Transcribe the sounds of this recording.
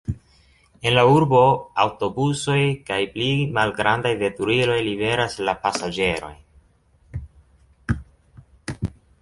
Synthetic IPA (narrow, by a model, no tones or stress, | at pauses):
e̞nlauɾbo̞awto̞buso̞jkajplimalɡɾandajve̞tuɾilo̞jlibe̞ɾaslapasad͡ʒe̞ɾo̞̰j